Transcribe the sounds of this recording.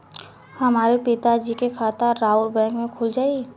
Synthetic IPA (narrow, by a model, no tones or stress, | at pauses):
hɐmaːɾepɪt̪ad͡ʒikekʰaːt̪aɾaːʊlbɛ̃ːŋkmẽkʰʊld͡ʒaːi